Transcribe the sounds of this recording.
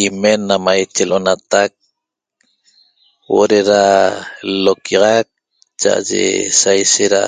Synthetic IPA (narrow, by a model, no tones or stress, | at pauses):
imenamajt͡ʃeloʔonat̪ak̚ | wo̰ɾeɾa | lokiʁɑk̚ | t͡ʃa̰ʔa̰d͡ʒḛsajʃeɾa̰